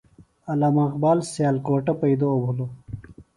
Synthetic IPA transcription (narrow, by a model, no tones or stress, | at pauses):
ɐlamɐqbaːlsjaːlkoːʈɐpɐid̪oːbʱulo